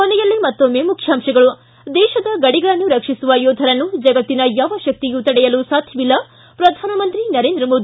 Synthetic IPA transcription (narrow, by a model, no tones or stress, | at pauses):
konɛjɐlːimɐt̪ːomːeːmukʰjaːmʂɐɡɐɭu | d̪ɛːʃɐd̪ɐɡɐɽiɡɐɭɐnːuɾɐkʂisuʋɐjoːd̪ʱɐɾɐnːud͡ʒɐɡɐt̪ːinɐjaːʋɐʃɐk̚t̪ijut̪ɐɽɛjɐlusaːt̪ʰjɐʋilːɐ | pɾɐd̪ʱaːnɐmɐnt̪ɾinɐɾend̪ɾɐmo̞ːd̪ii